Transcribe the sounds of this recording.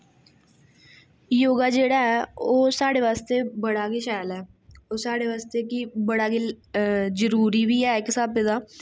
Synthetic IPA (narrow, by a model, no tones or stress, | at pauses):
joːɡaːd͡ʒeːɽaːɛːoːsaːɽeːʋaːst̪eːbəɽaːkeːʃaːjlɛː | oːsaːɽeːʋaːst̪eːkɪbəɽaːke | zəɾuːɾiːʋiːɛːɪksaːped̪aː